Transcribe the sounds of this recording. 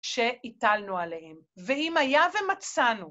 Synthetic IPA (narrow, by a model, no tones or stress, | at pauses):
ʃeitalnualehem | veimajavemat͡sanu